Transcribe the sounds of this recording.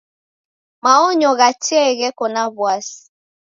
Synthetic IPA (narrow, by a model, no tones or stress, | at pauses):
maɔɲɔɣat͡ʃiɛɣɛkɔnaβwas